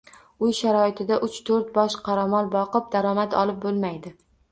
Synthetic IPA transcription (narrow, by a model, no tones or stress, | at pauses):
ʊjʃaɾɒɪt̪ʰɪd̪aʔʊt͡ʃt̪ʰoɾt̪̚bɒʃqʰɑɾamɒlˠbɒqɨp̚d̪aɾɒmat̪ʰɒ̰lˠɪp̚bolˠmajd̪ɪ